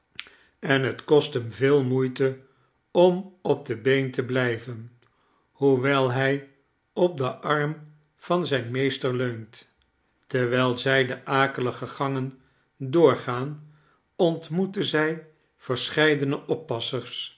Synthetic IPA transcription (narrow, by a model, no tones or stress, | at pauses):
ɛnɦətkɔstɦəmvɪːlˠmujtə | ɔmɔb̚dəbejntəblɛjvən | huʋɛlˠɦɛj | ɔp̚dəʔɑrm | v̥ɑnzɛjnmejstəɹløɥnt | tɛɹʋɛlˠzɛjdəʔaːkələχəχɑŋən | dʊːɹχaːn | ɔntmutəzɛj | v̥əɹsχɛjdənəʔɔpːɑsəɹs